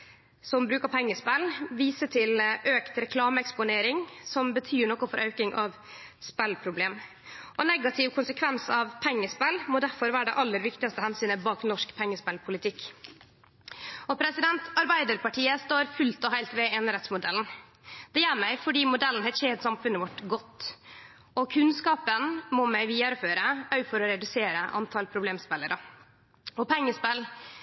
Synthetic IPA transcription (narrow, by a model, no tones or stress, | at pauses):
sɔmbɾʉːkɑpʰɛŋːəspɛlʋiːsət̪ʰɪlʔøːkt̪ɾɛkʰlɑːməɛkspʊneːɾɪŋsɔmbət̪ʰyːɳɔkʊfɔɾʔœʉkɪŋʔɑʋ | spɛlpʰɾʊbleːm | ʔɔnɛɡɑt̪ʰɪʋkʰʊnsəkʰʋɛnsɑʋpʰɛŋːəspɛlmoːd̪æɾfɔɾʋæːɾɖɛʔɑlːəɾʋɪkt̪ɪɡɑst̪əhɛnsyːnəbɑːknɔʂkpʰɛŋːəspɛlpʰʊlɪt̪ʰɪkː | ɔpʰɾɛsɪd̪ɛnt̪ɑɾbæɪd̪əɾpɑʈʰiːəst̪oːɾfʉlt̪ɔɦæɪlt̪ʋɛɛnɾɛt̪smʊd̪ɛln̩ | d̪̥ɛjæːɾmæɪfɔɖiːmʊd̪ɛlːn̩hɛt̪çeːt̪sɑmfʉnəʋɔʈɡɔt̪ː | ɔkʰʉnskɑːpənmɔmæɪʋiːɑɾføːɾəœʏfɔɾɔɾɛd̪ʉseːɾəʔɑ̰nt̪ʰɑlpʰɾʊbleːmspɛləɾɑ | ɔpʰɛŋːəspɛl